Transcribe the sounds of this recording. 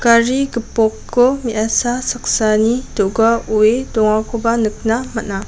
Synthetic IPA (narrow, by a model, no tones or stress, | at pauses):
kaɾiɡɯpɔkʰːɔmiʔasasak̚sanitɔɡauedɔŋakʰɔbanɯk̚namatna